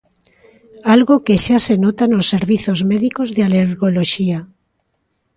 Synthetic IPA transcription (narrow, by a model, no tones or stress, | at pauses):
alɣokeʃasenot̪anosːeɾβiθozmeðikozðealeɾɣoloʃia